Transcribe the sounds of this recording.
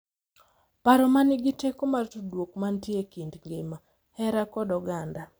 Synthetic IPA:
paɾɔmanɪɡitekomartodwokmantjekindŋɡema | hɛɾakɔdɔɡanda

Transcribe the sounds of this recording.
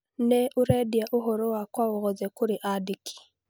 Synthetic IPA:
nɛʔuɾɛdiaʔoɦɔɾowakwaoɣɔzɛkuɾiʔadiki̥

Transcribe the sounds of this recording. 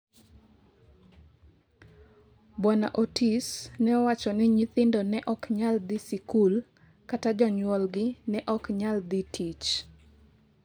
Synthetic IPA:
bwana̰ʔotisnɛɔwat͡ʃɔnɪɲit̪ɪndɔnɛʔɔkɲald̪ɪsikul | katad͡ʒɔɲwɔlɡɪnɛʔɔkɲald̪itʰit͡ʃ

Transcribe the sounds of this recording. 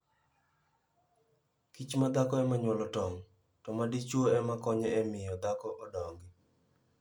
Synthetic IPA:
kit͡ʃmad̪akɔɛmaɲwɔlɔtɔŋ | tɔmadit͡ʃwoɛmakɔɲɛɛmɪjɔd̪akɔʔɔdɔŋɡɪ

